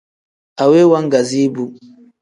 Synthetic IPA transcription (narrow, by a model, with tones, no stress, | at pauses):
a˨we˦wa˦ŋ˦ɡa˨zi˦bu˦